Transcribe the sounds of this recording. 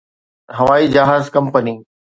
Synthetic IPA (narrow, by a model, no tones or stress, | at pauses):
ɦɐʋaːid͡ʑɐɦaːzkɐ̃mpəniː